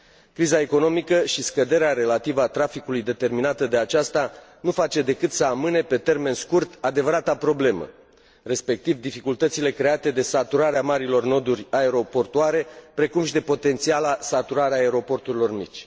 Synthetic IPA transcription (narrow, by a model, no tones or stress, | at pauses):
kɾizae̞ko̞no̞mikəʃiskəd̪e̞ɾeaɾe̞lat̪ivəat̪ɾafikulujd̪e̞t̪e̞rminat̪əd̪e̞at͡ʃast̪a | nufat͡ʃe̞d̪e̞kɨt̪səamɨne̞pe̞t̪e̞rme̞nskurt̪ad̪e̞vəɾat̪apɾo̞ble̞mə̰ | ɾe̞spe̞k̚t̪ivd̪ifikult̪ət̪sile̞kɾe̞at̪e̞d̪e̞sat̪uɾaɾeamaɾilo̞rno̞d̪urʲae̞ɾo̞po̞rt̪uaɾe̞pɾe̞kumʃid̪e̞po̞t̪e̞nt̪sialasat̪uɾaɾeaːeɾo̞po̞rt̪uɾilo̞rmit͡ʃʲ